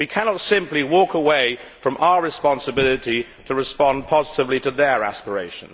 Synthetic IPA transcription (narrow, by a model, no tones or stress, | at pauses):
wikʰænɑtsɪ̃mpliwɔˑkəweɪfɹʌ̃mʔaʊəɹɨspɑ̃nsəbɪlˠɪɾi | ɾʰəɹɨspɑ̃npʰɒzɪtɨvliɾəðə˞æ̰spəɹeɪʃə̃n